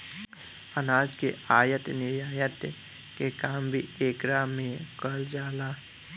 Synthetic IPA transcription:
ənaːd͡ʒkeaːjət̪nɪjaːjət̪ | kekaːmbʱieːkɾaːmẽkəld͡ʒaːlaː

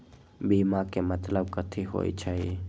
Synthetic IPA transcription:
biːmakemət̪ləb̚kət̪ʰiɦo̰ːḭt͡ʃʰai

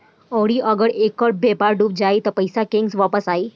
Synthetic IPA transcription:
əʋɽiːʔəɡəɽekəʈ̚bepaɾɖuːp̚d͡ʑait̪əɾpəjsakeŋɡsʋapəsai

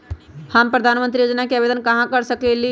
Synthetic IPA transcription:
həmpɾəd̪ʱanmə̃nt̪ɾijod͡ʒnakeabed̪ənkəɦãkəɾsəkeli

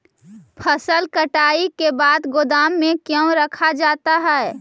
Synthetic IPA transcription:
pʰəsəlkəʈaːikebaːd̪ɡʊd̪aːmːẽkjõɾəkʰad͡ʒaːt̪aɦɛː

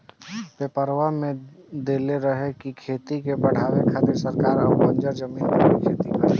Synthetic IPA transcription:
pepəɾʋamẽ | d̪eːleɾəɦekikʰeːt̪ikepɐɽ̤aːʋekʰat̪esəɾkaːɾɐbɐ̃ɲd͡ʒəɾd͡ʒəmiːnpəikʰeːt̪ipə

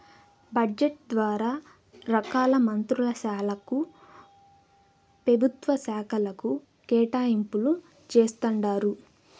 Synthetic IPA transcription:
bɐd͡ʒeʈ̚d̪ʋaːɾaː | ɾɐkaːlɐmɐnt̪ɾulɐsaːlɐku | pɾɐbʱut̪ʋɐsaːkʰɐlɐku | kɛːʈaːjimpulu | t͡ʃeːst̪ɐɳɖaːɾu

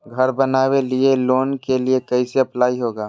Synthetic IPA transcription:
ɡʱɐɾbɐnaːwelieloːnkeliekɐiseɐplaːiɦoːɡaː

